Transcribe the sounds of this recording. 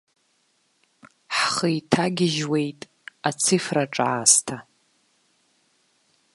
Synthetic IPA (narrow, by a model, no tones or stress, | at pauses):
ħχəjtʰaɡʲɪʒwe̞jtʼ | at͡sʰifraʈ͡ʂʼaastʰa